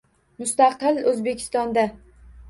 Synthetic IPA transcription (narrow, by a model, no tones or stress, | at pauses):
mʊst̪ɑqɨlɵzbe̞kʲʰɪ̥st̪ɒnd̪a